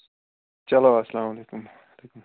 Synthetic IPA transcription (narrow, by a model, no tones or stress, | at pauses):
t͡ʃɐloːɐsɐlaːmɐleːkʊm | leːkʊm